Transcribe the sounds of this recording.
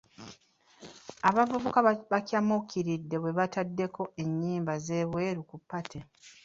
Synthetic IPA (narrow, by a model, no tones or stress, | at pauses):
aβavuβukaβacʲjamokiɾidːe̞βwe̞βatadːe̞ko̞e̞ɲːiːmbaze̞ːβwe̞ːɾukupːatʰe